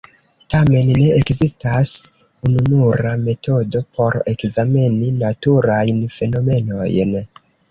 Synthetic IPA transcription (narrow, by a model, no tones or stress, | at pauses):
tame̞nːe̞ekzistas | ununuɾame̞tʰo̞do̞pʰo̞ɾe̞kzameninatuɾajnfe̞no̞me̞no̞jn